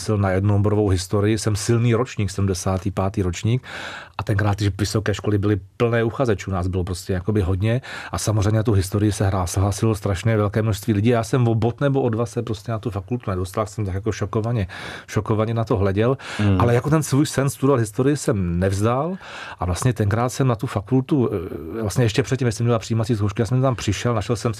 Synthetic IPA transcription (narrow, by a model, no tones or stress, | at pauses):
sɪlnajɛdnoboɾovowɦɪst̪oɾɪjɪsɛmsɪlniːɾot͡ʃɲiːksɛdumdɛsaːt̪iːpaːt̪iːɾot͡ʃɲiːkʔat̪ɛŋkɾaːt̪jɪʃvɪso̞kɛːʃko̞lɪbɪlɪpl̩nɛːuxazɛt͡ʃunaːzbɪlopɾoscɛjako̞bɪɦod̪ɲɛʔasamozr̝ɛjmɲɛnat̪owɦɪst̪oɾɪjɪsɛɦɾaːsɛɦlaːsɪlst̪ɾaʃnɛvɛlkɛːmnoʃst̪viːlɪɟiːajaːsɛmvobot̪nɛboʔodvasɛpɾostcɛnat̪ufakult̪unɛdost̪alsɛmt̪akjakoʃokovaɲɛʃoko̞vaɲɛnat̪o̞ɦlɛɟɛlʔalɛjako̞t̪ɛnsvuːjsɛnst̪udovalɦɪst̪oɾɪjɪsɛmnɛvzdal | ʔavlast̪ɲɛt̪ɛŋkɾaːt̪sɛmnat̪ufakult̪uvlastɲɛjɛʃcɛpr̥ɛt̪cimjɛsɛmɲɛlapr̥ijiːmatt͡siːs̬kowʃkɪjaːsɛmt̪t̪ampr̥ɪʃɛlnaʃɛlsɛm